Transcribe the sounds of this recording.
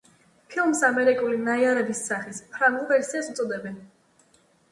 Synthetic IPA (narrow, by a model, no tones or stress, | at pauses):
pʰilˠmsamɛɾikʼulinaiaɾɛbisːaχispʰɾaɡulˠvɛɾsiasut̪sʼɔd̪ɛbɛn